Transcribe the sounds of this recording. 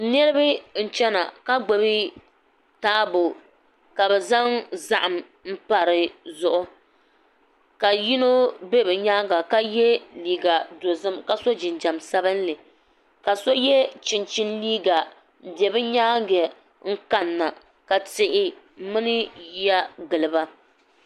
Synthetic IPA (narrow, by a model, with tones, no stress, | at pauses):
nɛ˦ɾɨ˦bɨ˦n̩˦˨t͡ʃɛ˦na̰˨ka˦ɡ͡bo˨bi˦ | taː˦bo˨ | ka˨bɛ˨za˦ŋza˦ʔa˨m | m̩˦pa˨ɾɨ˨zʊ˦ʔʊ˦ | ka˨ji˦no˦be˦bɨ˨ɲaː˦ɡa˨ka˦jɛ˦liː˨ɡa˨do˨zɨ˦mka˨so˦d͡ʒɪ˨nd͡ʒa˨msa˦bɨ˦n˦lɨ˨ | ka˨so˦jɛ˦t͡ʃɪ˨nt͡ʃɪ˦nliː˦ɡa˨ | bjɛ˨bɨ˦ɲaː˦ɡɛ˨ | ŋ̩˦ka˨nːa˨ | ka˨tɪ˨ʔɪ˨ | mɨ˦nɨ˦ji˦a˦ɡɨ˨lɨ˨ba˦